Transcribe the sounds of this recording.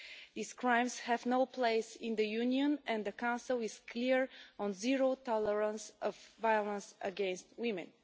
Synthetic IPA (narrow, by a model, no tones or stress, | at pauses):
ðiskɹãɪ̃mshɛvnoʊpʰleɪsɪ̃nd̪əjʉniə̃nɛ̃nd̪əkãʊ̃nsɨlˠɪz̥kʰliɹɔ̃nziɹoʊt̪ɔləɹə̃nsɔvːajlˠə̃nsə̰ɡɛ̃nstwɪ̃mɛ̰̃n